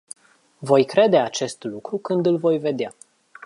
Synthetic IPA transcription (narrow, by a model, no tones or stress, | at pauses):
vo̞jkɾe̞d̪e̞at͡ʃe̞st̪lukɾukɨnd̪ɨlvo̞jve̞d̪ea